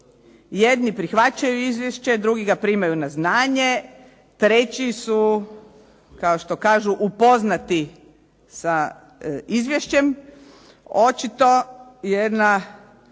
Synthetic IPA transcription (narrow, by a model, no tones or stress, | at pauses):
jed̪nipɾixʋat͡ɕajuizʋjeʃt͡ɕe̞d̪ɾuɡiɡapɾimajunaznaːɲe̞ | t̪ɾet͡ɕisu | kaoʃt̪o̞kaːʒuʔupo̞znat̪i | sa | izʋjeʃt͡ɕe̞m | o̞t͡ʃit̪o̞jed̪na